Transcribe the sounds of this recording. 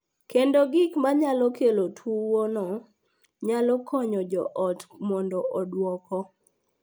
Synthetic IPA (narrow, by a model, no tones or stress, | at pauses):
kendoɡɪkmaɲalɔkelotʰwuwɔnɔ | ɲalɔkʰɔɲɔd͡ʒɔʔɔtmɔndɔʔɔdwɔkɔ